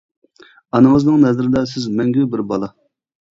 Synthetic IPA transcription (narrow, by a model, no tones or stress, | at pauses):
ɑnɨŋəznɨŋnɛzɾɪd̪ɛsɪzmɛŋɡʲybɪɾbɑlˠɑ